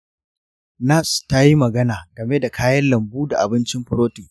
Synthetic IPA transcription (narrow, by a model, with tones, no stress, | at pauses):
na˦˨sta˦ji˦mɐ˨ɡɐ˦naː˨ɡ̥ɐ˨me˦da˨kʰaː˦jɐ˦nlɐ˨mbuː˦da˨ʔa˨bɪ˦nt͡ʃɪ˦mɸʊ˦ɾoː˦tiː˨